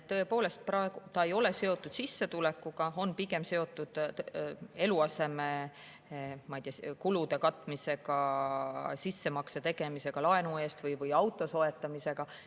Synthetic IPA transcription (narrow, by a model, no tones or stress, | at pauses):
t̪ɤ̞e̞po̞ːle̞st̪̚pɾɑe̞ɡ̥ut̪ɑe̞jo̞lese̞o̞t̪ːˑud̪̥sisːe̞t̪ule̞kːˑuɡ̥ɑo̞npiɡe̞mse̞o̞t̪ːˑud̪̥ | e̞luɑse̞me̞ | mɑjd̪ijɑkulud̪e̞kɑt̪ːˑmise̞ɡɑ | sisːe̞mɑkset̪e̞ɡ̥e̞mise̞ɡ̥ɑlɑe̞nue̞ːst̪vɯjvɯjɑwt̪ːˑo̞so̞e̞t̪ːˑɑmise̞ɡ̥ɑ